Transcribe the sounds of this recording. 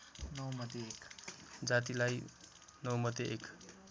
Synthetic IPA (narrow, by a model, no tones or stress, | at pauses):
nʌwmʌd̪eekd͡zat̪ilaj | nʌwmʌd̪eʔek